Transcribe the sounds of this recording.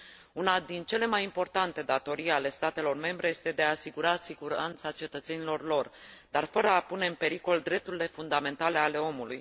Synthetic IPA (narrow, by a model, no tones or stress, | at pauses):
unad̪int͡ʃe̞le̞majimpo̞rt̪ant̪e̞d̪at̪o̞ɾijale̞st̪at̪e̞lo̞rme̞mbɾe̞je̞st̪e̞d̪eaːsiɡuɾasiɡuɾant̪sat͡ʃe̞t̪ət̪se̞nilo̞rlo̞rd̪arfəɾəapune̞ɨmpe̞ɾiko̞ld̪ɾe̞p̚t̪uɾile̞fund̪ame̞nt̪ale̞ale̞o̞muluj